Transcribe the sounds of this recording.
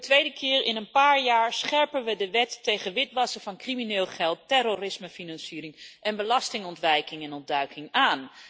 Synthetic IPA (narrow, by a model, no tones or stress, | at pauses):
ətʋejdəkʰɪːɹɪnənpaːɹjaːɹsχɛɹpənʋədəʋɛtːejχənʋɪtʋɑsəvɑnkriminɪːlˠχɛlˠtːɛɾorɪsməfinɑnsiːɾɪŋʔɛnbəlɑstɪŋɔntʋɛjkɪŋɛnɔndœɥkɪŋaːn